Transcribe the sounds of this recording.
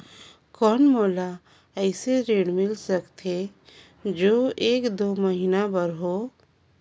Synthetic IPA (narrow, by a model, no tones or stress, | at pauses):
kɔːnmoːla | əɪseɾeːɽmɪlsəkt̪e | d͡ʒoːeːkd̪oːməɦinabəɾɦoː